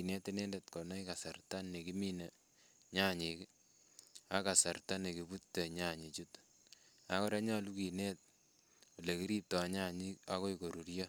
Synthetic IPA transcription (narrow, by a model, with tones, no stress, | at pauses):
i˨ne˦te˦nɛ˦nde˨tko˨na˦ika˨sa˨rta˦nːe˨ki˦mi˦ne˨ | ɲa˦ɲik | a˦ka˨sa˨rta˦ne˨ki˨bu˦tːe˨ɲa˦ɲi˨t͡ʃu˦t | a˦kɔ˦ɾa˦ɲa˦lu˦ki˨ne˦t̚ | o˨le˨ki˦ɾi˦tɔ˨ɲa˦ɲi˦ka̰˦ko˦i˨ko˨ɾu˨ɾjɔ˦